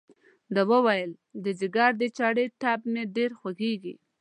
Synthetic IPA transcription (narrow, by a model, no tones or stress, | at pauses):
d̪awəwajəl | d̪əzɪɡɑɾd̪ət͡ʃɑɽeʈɑp̚meɖeɾxwaɡeɡḭ